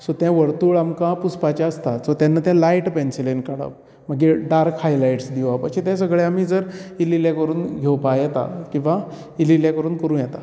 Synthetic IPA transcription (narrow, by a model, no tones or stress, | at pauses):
sot̪jãʋəɾt̪uːɭamkãpuspat͡ɕaəst̪asot̪janːat̪jãlaiʈpensilenkəɽə̰ʋ | m̤əɡeɖaɾkhajlajʈsd̪iʋapəɾset̪ɛ̃səɡɭeam̤iːd͡zəɾililjakəɾuːnɡʱewpajɛt̪a̰kĩw̃ʋa | ililjãkəɾuːnkəɾũːnjɛt̪a